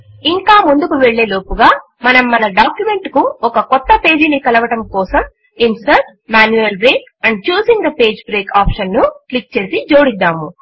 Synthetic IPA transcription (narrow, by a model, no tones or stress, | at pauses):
iŋkaːmund̪ukuʋeɭːe̞ːlo̞ːpuɡaː | mɐnɐmːɐnɐɖaːkjume̞ɳʈkuɔkɐkɔt̪ːɐpe̞ːd͡ʒinikɐlɐʋɐʈɐmkɔːsɐm | insɐɾʈ | maːnjuɐlbɾeːk | ɐɳɖ̚t͡ʃuːsiŋd̪ɐpe̞ːd͡ʒbɾe̞ːkaːpʂɐnːuklik̚t͡ʃe̞ːsid͡ʒo̞ːɽid̪ːaːmu